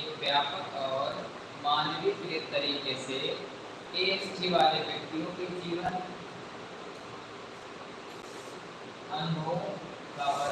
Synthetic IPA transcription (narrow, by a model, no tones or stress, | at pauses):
kbjaːpəkʰɔːɾ | maːnʋipɪɾɪd̪t̪əɾiːkese | eːsd͡ʒʰʱiʋaːleʋjəkt̪ijõkekiːʋən | ənɦõ | ɡaːə